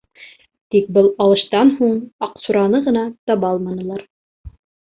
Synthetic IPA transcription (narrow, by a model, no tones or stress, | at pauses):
t̪ik̚bɤlˠɑlˠɤ̆ʃt̪ɑnɦuɴɑqsuɾɑnɤʁɤ̆nɑt̪ɑβɑlˠmɑnɤ̆lˠɑɾ